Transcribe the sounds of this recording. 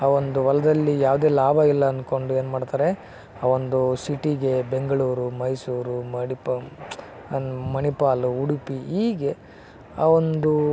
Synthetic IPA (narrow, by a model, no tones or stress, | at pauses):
aːʋond̪uʋɐlɐd̪ɐlːijaːʋd̪e̞ːlaːbɐilːɐːnko̞ɳɖue̞ːnumaːɖt̪aːɾe̞ | aːʋo̞nd̪usiʈiɡe̞be̞ŋɡɐɭuːɾumɐjsuːɾumɐɽip | mɐnipaːluuɽipiɦiːɡe̞ | aːʋo̞nd̪u